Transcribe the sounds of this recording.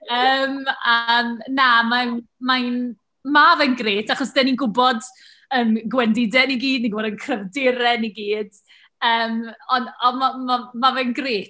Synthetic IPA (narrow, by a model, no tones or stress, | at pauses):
əːmənnamanmajn | mavɛnɡreːtʰaχɔsd̥ɛninɡʊbɔd | ənɡwɛndɪdɛniɡiːdniɡʊbɔdənkʰrəvdɪɾɛniɡiːd̥ | əːmɔnɔmamamavɛnɡreːt